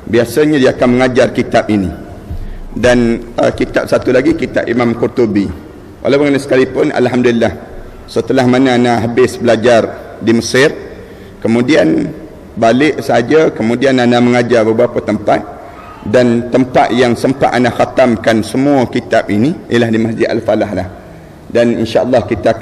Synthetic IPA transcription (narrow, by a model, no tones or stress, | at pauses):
biasaɲadiakanməŋad͡ʒarkit̪apinḭ | danə̰kit̪a̰p̚sat̪ulaɡikit̪a̰p̚imamkurt̪ubi | wʔa̰lawpəŋanasə̥kalipʊnʔa̰lɦamdulilːah | sət̪əlahmanaːnaɦabɪsbəlad͡ʒar | diməsɪr | kəmũdian | balɪʔsəɦad͡ʒakəmũdiananaməŋad͡ʒabəbapat̪əmpat̪̚ | dant̪əmpat̪̚jaŋsəmpa̰ʔ̪anaxat̪amkansəmũəkit̪ap̚iniijəlahdimasd͡ʒɪd̪a̰lfalaɦlah | danḭnʃaʔəlːɑhkit̪a